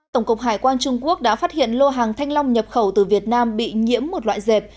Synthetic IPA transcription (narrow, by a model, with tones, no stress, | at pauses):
t̪ə˧˩wŋ͡mkʊ˨˩k͡p̚ɦaː˨˧˩jkwaː˧nt͡ɕʊ˧ŋ͡mku˦˥ək̚ɗa̰ː˧˥faː˦˥t̚hḭ˧˨ənlo˧ɦaː˨˩ŋt̪ʰa˧jŋ̟la˧wŋ͡mɲə˨˩p̚xə˧˩wt̪ɨ˨˩vi˨˩ət̚naː˧mɓḭ˧˨ɲḭ˧˥əmːo˨˩t̚la̰ː˧˨jze˨˩p̚